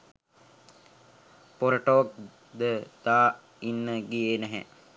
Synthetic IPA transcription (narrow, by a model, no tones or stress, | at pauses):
poɾəʈoʋak̚ | d̪əd̪̥aː | inːəɡijeːnæɦɛ̰